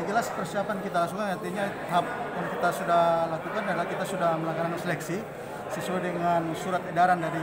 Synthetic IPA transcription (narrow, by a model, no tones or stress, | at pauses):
d͡ʒəlaspərsiapankit̪alasukanart̪iɲa | ɦap̚walokit̪asudahlakukandaɾilakit̪asudahməlakananansəlɛksi | səsuajdəŋansuɾat̪edaɾandaɾi